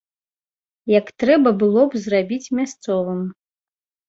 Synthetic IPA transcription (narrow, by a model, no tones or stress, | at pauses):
jɐkt̪ɾɛbɐbɨlˠɔbzrabʲit͡sʲmʲast̪sɔvɨm